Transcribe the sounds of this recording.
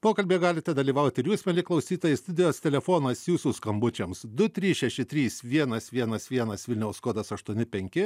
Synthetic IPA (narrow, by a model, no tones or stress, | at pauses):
poːkɐlʲbʲeːɡɑːlʲɪt̪ʲɛd̪ɐlʲiːʋɐʊt̪ʲɪɾjuːsmʲɛlʲɪklˠɐʊsʲiːt̪oːjɪst̪ʊd̪ʲɛjoːst̪ʲɛlʲɛfoːnɐsjuːsuːskɐmbʊt͡ʃʲɛmsd̪ʊt̪ʲɾʲiːsʃʲɛʃʲɪt̪ʲɾʲiːsʋʲiɛnɐsʋʲiɛnɐsʋʲiɛnɐsʋʲɪlʲnʲɛʊsskoːd̪ɐsɐʃt̪uɔnʲɪpʲɛŋʲkʲɪ